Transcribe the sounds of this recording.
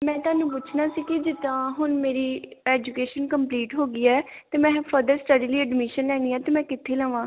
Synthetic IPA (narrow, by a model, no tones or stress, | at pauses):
mɛ̃ːt̪ʊaːnũːp̬ʊt͡ʃʰnaːsiːkɪd͡ʒɪt̪ãːɦʊnmeːɾiːɛːd͡ʒukeːʃənkəmpliːʈɦoːɡiːɛːt̪eːmɛ̃ːpʰəɾd̪əɾsʈəɖiːliːəɖmɪʃənlɛːɽ̃iːɛːt̪eːmɛ̃ːkɪt̪ʰːeːləːʋãː